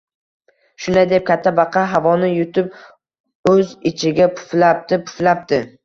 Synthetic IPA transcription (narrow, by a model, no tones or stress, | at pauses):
ʃʊnd̪ajd̪e̞p̚kʲʰat̪ʰːabɑqʰɑɦavɒnɪjʊt̪ʰɪp̚ | ɵzɪt͡ʃʰɪɡʲapʰʊ̥flap̚t̪ɪpʰʊ̥flap̚t̪ɪ